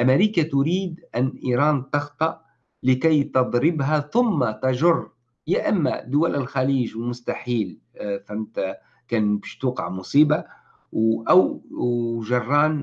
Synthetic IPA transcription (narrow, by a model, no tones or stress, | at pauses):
ʔameɾiːkat̪ʊɾiːd̪ʔanːʔiːɾˤɑːnt̪ɑxt̪ˤɑʔ | lɪkajt̪ɑd̪ˤɾɪbɦaθʊmːat̪ɑʒʊrˤː | jaʔamːa̰d̪ʊwælɪlxaliːʒwmʊst̪aħiːl | fant̪ | kæːnbiʃt̪uːqɑʕmʊsˤiːba | wʔaw | ʒɑrˤːɑːn